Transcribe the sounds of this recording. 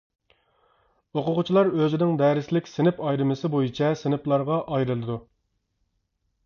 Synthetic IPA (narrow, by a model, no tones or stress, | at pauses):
oqʊʁʊt͡ʃʰilˠɑɾøzɪnɪŋd̪ɛːɾɪslɪkʲsɪnɪpɑjɾɨmɪsɪbojit͡ʃʰɛsɪnɪplˠɑɾʁɑʔɑjɾɨlˠɨd̪u